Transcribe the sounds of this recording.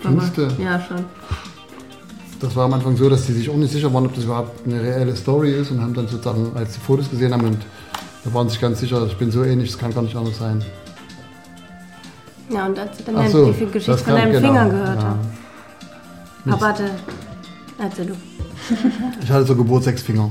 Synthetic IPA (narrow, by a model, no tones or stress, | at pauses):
stəjaːʃon | d̥asv̥aːɐamʔanfaŋzoːɾasd̥iːzɪçaʊxnɪçtz̥ɪç̬ɐvaːʁənɔp̚d̥asyːbɐhaʊp̚tnəʁeɛləstɔʁiɪstʊnhaːbm̩danzoːt͡səzaːŋalsd̥iːfoːtos̬ɡ̥əzeːənhaːbmnʊnt | d̥aːvaːʁnzɪçɡ̥ant͡sz̥ɪçɐɪçb̥ɪnzoːɛːnlɪçd̥skʰanɡaːɐnɪçtʔandɐsz̥aɪn | jaːʊntalsid̥anaaszoːfilɡəʃɪ̥asɡfɔadanəmɡɐnfɪŋɐɡəhøːɐtjaaː | aɐhatə | ʔɛɐt͡sɛːldu | ɪçhatəzoːɡəbʊɐtz̥ɛksfɪŋɐ